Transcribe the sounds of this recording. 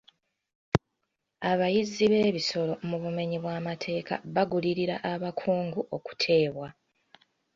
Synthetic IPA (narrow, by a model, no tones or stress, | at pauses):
aβajiziβe̞ːβiso̞lo̞muβume̞ɲiβwaːmatʰe̞ːka̰βaɡuliɾiɾaʔaβakʰuːŋɡuʔo̞ku̥tʰe̞ːβwa